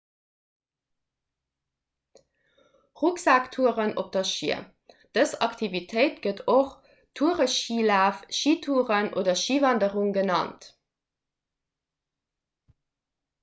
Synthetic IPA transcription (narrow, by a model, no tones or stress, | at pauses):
ʁuksaːktʰuəʁənop̚d̥ɐʃḭə | d̥əsɑktʰivitʰəɪtɡ̥ətoχ | tʰuəʁəʃiːlaːfʃiːtʰuːʁənʔo̰ːdɐʃiːvɑndəʁuŋɡənɑ̰nt